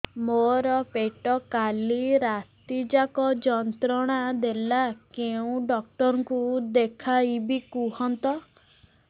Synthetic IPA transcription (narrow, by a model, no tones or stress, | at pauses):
moɾɔpeʈɔkaliɾat̪id͡ʒakɔd͡ʒɔnt̪ɾɔɽ̃ad̪elakeũɖɔk̚ʈɔɾɔŋkud̪ekʰaibikuɦɔnt̪ɔ